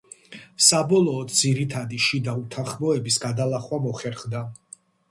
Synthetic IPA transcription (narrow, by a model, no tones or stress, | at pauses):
sabɔlˠɔːd̪̚d̪ziɾit̪ʰad̪iʃid̪aut̪ʰanχmɔɛbisɡad̪alˠaχwamɔχɛɾχd̪a